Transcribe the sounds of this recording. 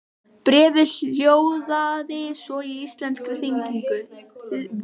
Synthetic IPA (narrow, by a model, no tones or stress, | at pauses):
pɾɛːvɪljoːwðaðɪsɔiist̪lɛnt̪skɾɪθeŋkiŋkʏ